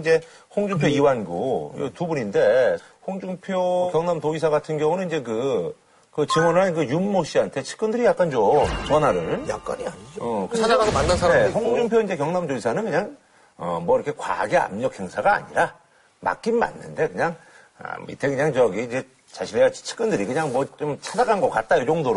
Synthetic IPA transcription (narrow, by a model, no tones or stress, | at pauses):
ind͡ʑe̞ | hoŋd͡ʑuŋpʰjoiwanɡoo̰tubuɾinde̞ | hoŋd͡ʑuŋpʰjokjʌŋnamtois̬ʰaɣatʰɯnɡjʌŋunɯnind͡ʑe̞k̬ɯ | kɯt͡ɕɯŋʌnɦankɯjunːoɕ͈ʰiantʰe̞t͡ɕʰi̥k͈ɯndɯɾijak͈ant͡ɕot͡ɕʌnaɾɯɭjak̚k͈a̰ɲiaɲioʌkɯaaɡasomanːansʰanehoŋd͡ʑuŋpʰjoind͡ʑe̞kjʌŋnamtoisʰanɯnkɯɲaŋ | ʌ̰mwʌiɾʌkʰekwa̰ɡea̰mɲʌkʰe̞ŋsʰaɡaa̰ɲḭɾa | ma̰k͈inma̰nːɯ̰nde̞kɯɲaŋ | a̰mḭtʰekɯɲaŋt͡ɕʌɡiind͡ʑe̞ | t͡ɕaɕʰinejat͡ɕit͡ɕʰɯ̥k͈ɯndɯɾikɯɲaŋmwʌt͡ɕomt͡ɕʰad͡ʑaɡanɡʌk͈at̚t͈ajod͡ʑoŋdoɾ